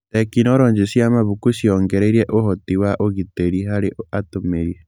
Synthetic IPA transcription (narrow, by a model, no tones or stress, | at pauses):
ɛkinɔɾɔːɲd͡ʒesiamaβukusiɔŋɡɛɾɛɾiɛʔoɦɔtiwaʔoɣiteɾiɦaɾeʔatomeɾie